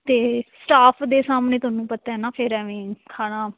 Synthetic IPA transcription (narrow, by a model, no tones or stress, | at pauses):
t̪eːsʈaːpʰd̪eːsaːmneːt̪ʊɦaːnũːpət̪ːaːɦɛːnaːpʰɪɾɛːʋẽːkʰaːɽ̃aː